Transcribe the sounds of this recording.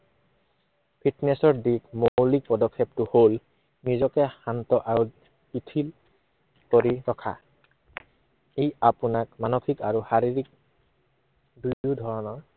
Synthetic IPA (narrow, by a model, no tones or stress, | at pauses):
pʰitnɛsɔɹdikmowlik̚pɔdɔkʰːep̚tʊhol | nizɔkɛhantɔʔaɹu | pitʰil | koɹiɹɔkʰa̰ | ejapunak̚manokʰikaɹuhaɹiɹik̚ | dujudʱɔɹɔnɔɹ